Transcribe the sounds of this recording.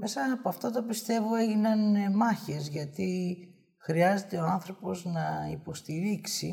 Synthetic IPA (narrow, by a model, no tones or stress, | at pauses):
me̞sɐpoɐft̪ot̪opist̪e̞voe̞ʝinɐnmɐçe̞zʝɐt̪i | xɾiɐze̞t̪e̞oɐnθɾo̞po̞znɐipo̞st̪iɾiksi